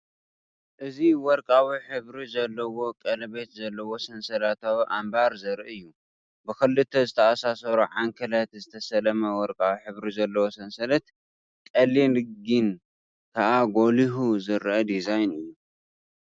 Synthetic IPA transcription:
ʔɨziwɔɾkʼawiħɨβɾizɐlːɐwo̞kʼɐlɐbe̞t̪zɐlːɐwo̞sɐnsɐlat̪ʰawʔambaɾzɐɾʔɨjːu | bɨkɨlːɨt̪ʰɐzɨt̪ʰɐasasɐɾuʕaŋkʰɐlɐt̪zɨt̪ʰɐsɐlɐmɐwɔɾkʼawiħɨβɾizɐlːɐwo̞sɐnsɐlɐt̪ | kʼɐlːinɨɡin | kʰaʔaɡo̞liɦuzɨɾʔɐd̪izajnɨjːu

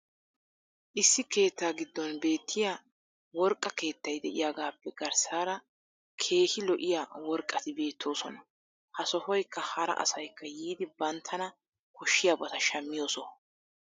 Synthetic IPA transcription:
ʔɪsːɪke̞ːt̪ːaːɡɪd̪ːɔnbe̞ːt̪ʰːɪja | wɔɾkʼːɐke̞ːt̪ːɐjd̪ɛʔɪ̰jaːɡaːpːɛɡɐɾsaːɾɐ | kʰe̞ːhɪlɔʔɪjawɔɾkʼːɐt̪ɪbe̞ːt̪ʰːo̞ːsɔ̰nɐ | hɐsɔfɔjkːɐhɐɾɐ̰ʔɐ̰sɐjkːɐjiːd̪ɪbɐnt̪ʰːɐnɐ | kɔʃːɪjabɐt̪ɐʃɐmːɪjo̞ːsɔ

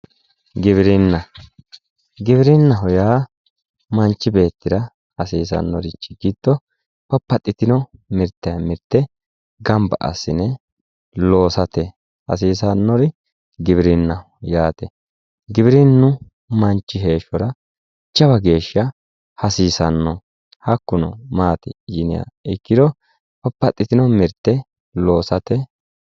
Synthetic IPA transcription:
ɡɪβɪɾɪnːɐ | ɡɪβɪɾɪnːɐɦʊjaː | mɐnt͡ʃːɪbe̞ːt̪ːɪd̪ɐ | hɐsiːs̬ɐ̰nːɔɾɪt͡ʃːɪ̥ɡɪd̪ːɔ | pɐpːɐt̪ʼːɪt̪ɪnɔmɪɾt̪ːɐjɐmɪɾt̪ːɛ | ɡɐmbɐ̰ʔɐ̰sːɪnɛ | lo̞ːsɐt̪ɛ | hɐ̰siːsɐnːɔɾɪ | ɡɪβɪɾɪnːɐ | jaːt̪ɛ | ɡɪbɪɾɪnːʊ | mɐnt͡ʃːɪɦe̞ːʃːɔɾɐ | t͡ʃːɐbɐɡe̞ːʃːɐ | hɐsiːsɐnːɔ | hɐkːʊnɔ̰maːt̪ɪjɪnɪja̰ɪkːɪd̪ɔ | pɔpːɐt̪ʼːɪt̪ɪnɔmɪɾt̪ːɛ | lo̞ːsɐt̪ɛ

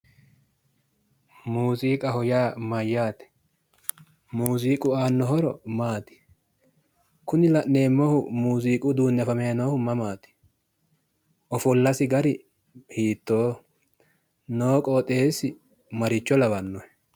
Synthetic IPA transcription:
muːziːkʼɐɦɔjaːmɐjːaːt̪ɛ̥ | muːziːkʼʊaːnːɔɦɔɾɔ̰maːt̪ɪ̥ | kʊnɪlɐʔne̞ːmːɔhʊmuːziːkʼʊd̪uːnːɛfɐmɛjɐnohʊmɐmaːt̪ɪ̥ | ʔɔfɔlːɐsɪɡɐɾɪ | hiːt̪ːo̞ː | noːkʼoːt̪ʼe̞ːsɪ | mɐɾɪt͡ʃːɔlɐbɐnːɔɛ

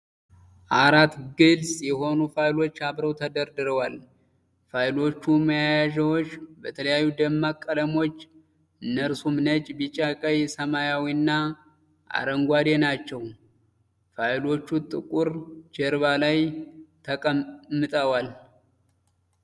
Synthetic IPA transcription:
ʔaɾat̪ɡɨlsjɛɦo̞nufajlo̞t͡ʃːaβɾəwt̪ʰəd̪əɾd̪ɨɾəwal | fajlo̞t͡ʃːuməjajaʒɛwot͡ʃːbət̪ʰələjajːud̪əmːakʼːələmo̞t͡ʃː | ɨnːəɾsumnət͡ʃʼbit͡ʃʼakʼəjsəmajawinːa | ʔa̰ɾəŋɡʷad̪enat͡ʃːɛw | fajlo̞t͡ʃːut̪ʼɨkʼuɾd͡ʒɛɾβalajt̪ʰəkʼəmːɨt̪ʼəwal

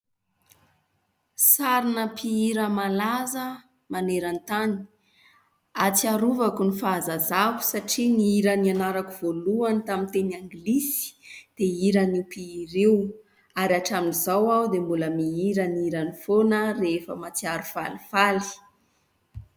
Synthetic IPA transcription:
saɾinəpiiɾəmalazə | maneɾant̪ani̥ | at͡siaɾuvakunifazazavu̥saʈ͡ʂiniiɾanianaɾakuv̥oluanit̪amint̪eniaŋɡlisi̥d̪̥eiɾənipiiɾew | aɾiaʈ͡ʂaminizawawd̪embuləmiiɾəniiɾanifonərefə̰mat͡siaɾufa̰lifali̥

